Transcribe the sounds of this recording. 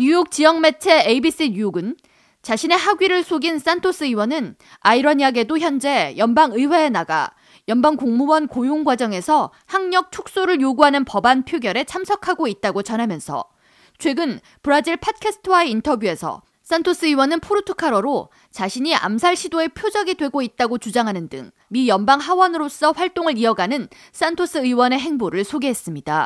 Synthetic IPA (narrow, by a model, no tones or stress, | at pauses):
ɲujok̚t͡ɕ͈ijʌŋme̞t͡ɕʰe̞eibis͈ɯɲujoɡɯn | t͡ɕaɕʰine̞ɦaɡɥiɾɯɭsʰoɡins͈antʰos͈ɯiwʌnɯn | aiɾʌɲiaɡe̞doçjʌnd͡ʑe̞jʌnbaŋɯiweːnaɡa̰ | jʌnbaŋkoŋmuwʌnkojoŋɡwad͡ʑʌŋe̞sʰʌ | haŋɲʌk̚t͡ɕʰok̚s͈oɾɯɭjoɡuɦanɯnpʌbanpʰjoɡjʌɾe̞t͡ɕʰamsʰʌkʰaɡoit̚t͈aɡot͡ɕʌnɦamjʌnsʰʌ̰ | t͡ɕʰwe̞ɡɯn | pɯɾad͡ʑiɭpʰat̚kʰesʰɯ̥tʰɯwaeintʰʌbjue̞sʰʌ̰ | s͈antʰos͈ɯɯwʌnɯnpʰoɾutʰukʰaɾoɾo | t͡ɕaɕʰiɲia̰msʰaɭɕʰidoe̞pʰjod͡ʑʌɡidwe̞ɡoit̚t͈aɡot͡ɕud͡ʑaŋɦanɯndɯ̰ŋ | mijʌnbaŋɦawʌnɯɾos͈ʌɸwaɭt͈oŋɯɾiʌɡanɯn | s͈antʰos͈ɯɯiwʌne̞ɦe̞ŋboɾɯɭsʰoɡe̞ɦe̞s͈ɯmɲida